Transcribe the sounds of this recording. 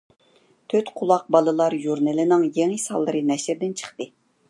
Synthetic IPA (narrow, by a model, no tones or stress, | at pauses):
t̪ʰøt̪qʰʊlˠɑq̚bɑlˠɨlˠɑɾjuɾnɪlɪnɨŋjeŋisɑ̰lˠːɨɾɨnɛʃɾd̪ɪnt͡ʃʰə̥χt̪ɨ